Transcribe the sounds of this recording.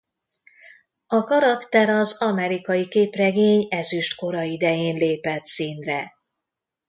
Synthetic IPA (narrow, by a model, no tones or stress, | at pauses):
ɒkɒɾɒkt̪ɛɾɒzɒmɛɾikɒjikeːprɛɡeːɲɛzyʃt̪ko̞ɾɒid̪ɛjeːnleːpɛt̪siːnrɛ